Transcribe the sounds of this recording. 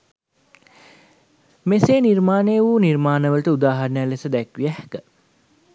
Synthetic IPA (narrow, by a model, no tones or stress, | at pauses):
meseːnirmaːnejʋunirmaːnəʋəlʈəud̪aːɦɐɾnəjælesəd̪ækʋiæhkə